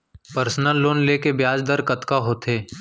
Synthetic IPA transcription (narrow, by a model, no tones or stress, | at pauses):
pəɾsnəlːoːnleːkebjaːd͡ʒd̪əɾkɐt̪kaɦoːt̪eː